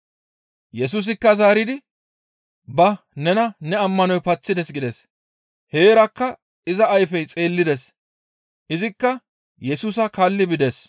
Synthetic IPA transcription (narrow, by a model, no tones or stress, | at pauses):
jɛs̬uːs̬ɪkːɐzaːɾɪd̪ɪ | bɐ | nɛnɐnɛɐmːɐnɔjpɐt͡sːɪd̪ɛsɡɪd̪ɛs | he̞ːɾɐkːɐ | ɪzɐːjfɛjt͡sʼe̞ːlːɪd̪ɛs | ʔɪzɪkːɐ | jɛsuːs̬ɐkɐlːɪbɪd̪ɛs